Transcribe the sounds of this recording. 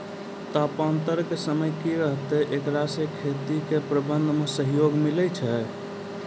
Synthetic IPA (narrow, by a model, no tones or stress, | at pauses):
t̪apant̪əɾkesəməjkiɾəɦt̪ɛʔekɾasekʰet̪ikepɾəbənd̪ʱmesəɦjoɡmilɛt͡ʃʰɛ